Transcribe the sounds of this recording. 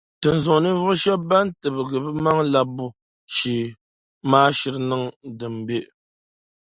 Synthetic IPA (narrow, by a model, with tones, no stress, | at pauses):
tɨ˨n̩˨zɔ˨ʔnɨ˦vu˦ʃɛ˦ba˦n˦tɨ˨bɨ˨ɡɨ˨bɨ˦ma˦ŋla˦bu˦ | ʃi˨ | maː˦ʃi˦ɾnɨ˦ŋdɨ˨mbe˦ʔ